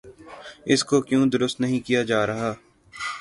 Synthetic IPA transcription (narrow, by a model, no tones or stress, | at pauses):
ɪskokjũːd̪ʊɾʊst̪nɐɦĩkijad͡ʒaːɾɐɦaː